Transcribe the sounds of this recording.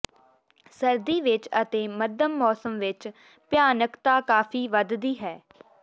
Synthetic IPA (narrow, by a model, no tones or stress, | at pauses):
səɾd̪iːʋɪt͡ʃət̪eːməd̪əmːɔːsəmʋɪt͡ʃ | pɪjaːnəkt̪aːkaːfʰiːʋəd̪d̪iːɦɛː